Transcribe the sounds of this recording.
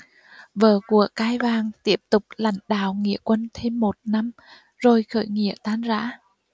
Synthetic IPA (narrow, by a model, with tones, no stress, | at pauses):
vəː˨˩ku˧˩əkaː˧jvaː˨˩ŋt̪i˦˥əp̚t̪ʊ˨˩k͡p̚la̰˧˥˦jŋ̟ɗa̰ː˧˨wŋḭ˧˨əkwə˧nt̪ʰe˧mːo˨˩t̚na˧m | zo˨˩jxə̰ː˧˩jŋḭ˧˨ət̪aː˧nza̰ː˧˥